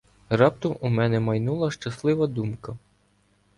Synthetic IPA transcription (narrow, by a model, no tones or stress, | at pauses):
rɑp̚t̪ʊʔumɛnɛmɐjnulˠɐʃt͡ʃɐslˠɪʋɐd̪umkɐ